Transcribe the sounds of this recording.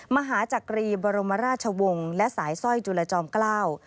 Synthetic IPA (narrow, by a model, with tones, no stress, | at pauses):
ma˧ɦaː˩˦t͡ɕa˨˩kɾiː˧bɔː˧ɾo˧ma˧˦ɾaː˥t̪̚t͡ɕʰa˧wo˧ŋlɛ˦˥ʔsaː˩˦jsɔ˥˩jt͡ɕuː˧la˧t͡ɕɔː˧mklaː˥˩w